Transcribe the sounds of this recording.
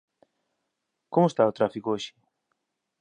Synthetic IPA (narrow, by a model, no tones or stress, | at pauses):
komʊst̪aot̪ɾafikooʃɪ̥